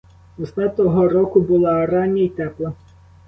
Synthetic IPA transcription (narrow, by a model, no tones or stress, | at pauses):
ɔsnɑt̪ɔɦɔɾɔkʊbʊlˠɑɾɑnʲiit̪ɛplˠɐ